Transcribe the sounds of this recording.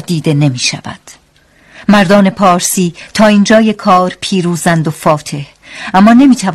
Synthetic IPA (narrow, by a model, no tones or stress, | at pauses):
d̪iːd̪e̞ne̞miːʃæ̰væ̰d̪̥ | mæɾd̪ɒːne̞pʰɒːɾsiːt̪ʰɒːind͡ʒɒːje̞kʰɒːɾpʰiːɾuːzænd̪ofɒːt̪ʰe̞h | æmːɒːne̞miːt̪ʰæv